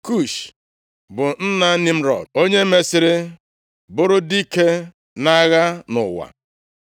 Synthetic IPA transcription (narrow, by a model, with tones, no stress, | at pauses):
ku˦˨ʃ | bʊ˨n̩˦na˦nɪ˦m̩˦ɾɔ̰˨do˦ɲe˦me˦sɪ˦ɾɪ˦ | bʊ˦ɾʊ˦di˦ke˦ | na˦ɣa˦nʊ˨wa̰˨